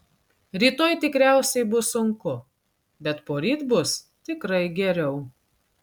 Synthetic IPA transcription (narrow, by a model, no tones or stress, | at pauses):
ɾʲiːt̪oːjt̪ʲɪkɾʲæˑʊsʲɛɪbʊsʊŋkʊ | bʲɛt̪poːɾʲiːt̪bʊs | t̪ʲɪkɾɐɪɡʲɛɾʲɛʊ